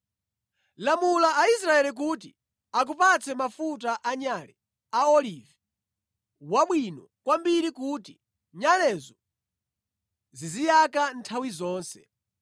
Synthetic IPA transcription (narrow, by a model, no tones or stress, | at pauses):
lamulaʔaisɾaɛlik̬uːti | ak̬upat͡sʰɛmafutaʔaɲalɛ | aɔlivɛ | waɓwinɔ | kwambiɾikuːti | ɲalɛzɔ | zizijakantʰawizɔːnsɛ